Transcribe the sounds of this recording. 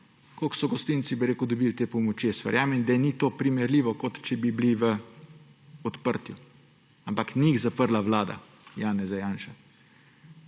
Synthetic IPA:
koksɔɡɔst̪insibiɾeːkʊd̪ɔbilt̪eːpɔmɔt͡ʃjesʋə̰ɾjaːmɛnd̪anit̪oːpɾimɛɾliːʋɔkot̪t͡ʃɛbibliʋə | ɔt̪pəɾt̪ju | ampakniːxzapəɾlaʋlaːd̪a̰ | jaːnɛzajaːnʃa

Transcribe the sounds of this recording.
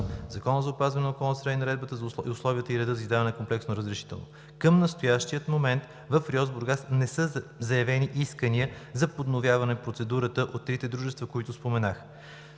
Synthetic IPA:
zɐkɔnəzɐʊpazvɐnɛnokɔlˠnsɾainɐɾɛd̪̚bət̪əziʊslˠɔvʲiət̪əiɾɛd̪əzizd̪avɐnɛkomplɛksnoɾəzɾɛʃi̥t̪ɛ̰lˠno̰ | kəmnəst̪ojaʃt̪ijət̪momɛnt̪ | vəfɾiɔzboɾɡasnɛsəzɐjɐvɛniʔiskəniəzɐpod̪novʲjavɐnɛpɾot̪sɛd̪uɾət̪əʔot̪ːɾit̪ɛd̪ɾuʒɛst̪vəkoit̪ʊspomɛnax

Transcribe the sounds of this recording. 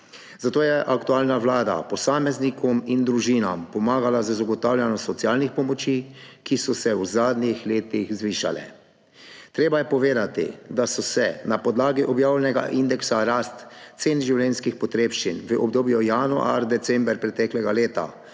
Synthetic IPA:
zat̪oːjɛʔakt̪ualnaʋlaːd̪a̰pɔsaːmɛznikʰɔmind̪ɾuʒiːnampɔmaːɡalazəzaɡɔt̪aːwlʲjanɔsɔt̪sjaːlnixpɔmɔt͡ʃiːkisɔsɛwzaːd̪nixleːt̪ixzʋiːʃa̰lɛ̰ | t̪ɾeːbajɛpɔʋeːd̪at̪ḭd̪asɔsɛnapɔd̪laːɡiʔɔbjaːwlɛnɛɡa̰ʔind̪ɛksaɾast̪t̪seːnʒiwlɛnskixpɔt̪ɾeːpʃt͡ʃinʋəʔɔbd̪oːbjɔjanɔ̰a̰ɾd̪ɛt̪sɛmbəɾpɾɛt̪ɛklɛɡaleːt̪a̰

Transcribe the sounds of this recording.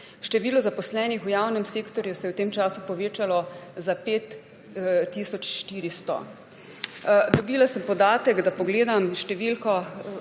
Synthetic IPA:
ʃt̪ɛʋiːlɔzapɔslɛːnixujaːwnɛmseːkt̪ɔɾjusɛjɛwt̪eːmt͡ʃaːsupɔʋeːt͡ʃalɔzapeːt̪ː | iːsɔt͡ʃʃt̪iːɾist̪ɔ̰ | d̪ɔbiːlasəmpɔd̪aːt̪ɛkd̪apɔɡleːd̪amʃt̪ɛʋiːlkɔ

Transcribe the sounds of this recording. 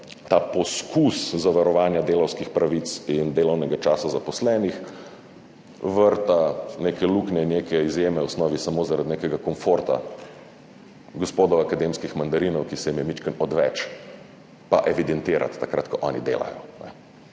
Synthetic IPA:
t̪apɔskuszaʋaɾɔʋaːnjad̪eːlɔwskixpɾaʋit̪sind̪eːlɔwnɛɡat͡ʃaːsazapɔslɛːnix | ʋəɾt̪anekɛluknɛnekɛizjeːmɛwsnɔːʋisamoːzaɾad̪nekɛɡakɔnfoɾt̪a̰ | ɡɔspoːd̪ɔwakad̪emskixmand̪aɾiːnɔwkisɛjimjɛmit͡ʃkənɔd̪ʋɛt͡ʃ | paʔɛʋid̪ɛnt̪eːɾa̰t̪ːakɾa̰t̪kɔʔɔːnḭd̪ḛːla̰jɔ̰nɛ̰

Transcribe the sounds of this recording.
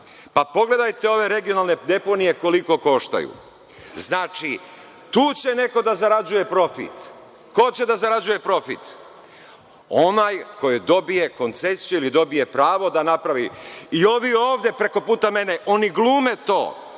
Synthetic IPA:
papo̞ɡle̞d̪ajt̪e̞o̞ʋe̞ɾe̞ɡijo̞nalˠne̞d̪e̞po̞nije̞ko̞liko̞ko̞ʃt̪a̰jṵ | znaːt͡ʃi | t̪uːt͡ɕe̞ne̞ko̞d̪azaɾad͡ʑuje̞pɾo̞fḭt̪ | ko̞t͡ɕe̞d̪azaɾad͡ʑuje̞pɾo̞fḭt̪ | onajko̞jud̪o̞bije̞ko̞nt̪se̞sijuilid̪o̞bije̞pɾaːʋo̞d̪anapɾaʋiio̞ʋio̞ːʋd̪je̞pɾe̞ko̞puːt̪ame̞neʔo̞niɡlˠuːme̞t̪o̞̰ː

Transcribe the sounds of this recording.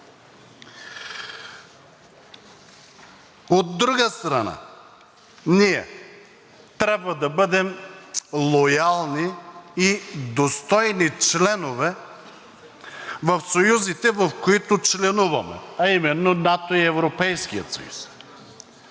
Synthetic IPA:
od̪ːɾuɡəst̪ɾɐna̰ | niɛ | t̪ɾʲabvɐd̪ɐbɤd̪ɛm | lˠojalˠniid̪ost̪ɔjnit͡ʃlɛnovɛ | vɐfsojuzit̪ɛvɐfkoit̪ʊt͡ʃlɛnuvɐmɛ̰ɐimɛnːonat̪oiɛvɾopɛjskijə̰t̪sɐ̰jṵs

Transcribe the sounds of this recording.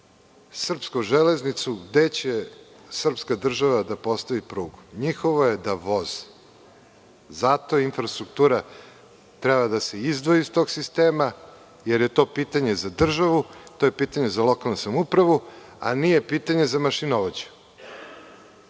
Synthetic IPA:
sr̩pskoʒele̞znit̪suɡd̪e̞t͡ɕe | sr̩pskad̪r̩ʒaʋad̪apo̞st̪aʋipɾuːɡuɲixoʋojed̪aʋo̞zi̥ | zat̪o̞infɾast̪ɾuk̚t̪uːɾa | t̪ɾebad̪ase̞izd̪ʋoist̪o̞ːɡsist̪eːma | jeɾje̞t̪o̞piːt̪aɲe̞zad̪r̩ʒaʋut̪o̞jepiːt̪aɲe̞zalˠo̞kalnusamupɾaʋu | a̰nije̞piːt̪aɲe̞zamaʃinoʋod͡ʑu̥

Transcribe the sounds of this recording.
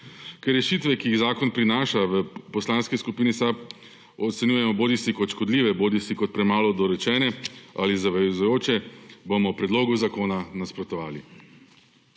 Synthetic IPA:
kɛɾːɛʃiːt̪ʋɛkiiɣzaːkɔnpɾinaːʃaʋəpɔslaːnskiskupiːnisap | ɔt̪sɛnʲjuːjɛmɔboːd̪isikɔt̪ʃkɔd̪liːʋɛboːd̪isikɔt̪̚pɾɛmaːlɔd̪ɔɾɛt͡ʃɛːnɛalizaʋɛzujoːt͡ʃɛbomɔpɾɛd̪loːɡuzakoːnanaspɾɔt̪ɔʋaːlḭ

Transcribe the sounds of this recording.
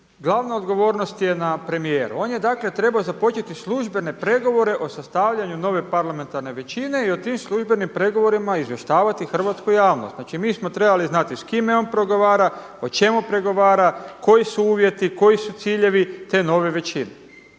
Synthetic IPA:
ɡlˠaːʋnaod̪ɡo̞ʋo̞ːɾnost̪je̞napɾe̞mije̞ːɾṵo̞ːnje̞d̪aːkle̞t̪ɾe̞baozapo̞t͡ʃe̞t̪islˠuʒbe̞ne̞pɾe̞ɡo̞ʋo̞ɾe̞ʔo̞sast̪aːʋʎaɲuno̞ʋe̞paɾlame̞nt̪aɾne̞ʋe̞t͡ʃine̞io̞t̪imslˠuʒbe̞nimpɾe̞ɡo̞ʋo̞ɾimaizʋje̞ʃt̪aːʋat̪ixr̩ʋat̪skujaːʋnost̪naːt͡ʃimiːsmo̞t̪ɾe̞baliznat̪iskimeo̞npɾo̞ɡo̞ʋaːɾa | ot͡ʃe̞mupɾe̞ɡo̞ʋaːɾako̞jisuuːʋje̞t̪iko̞jisut̪siːʎe̞ʋit̪e̞ːno̞ʋe̞ʋe̞t͡ɕine

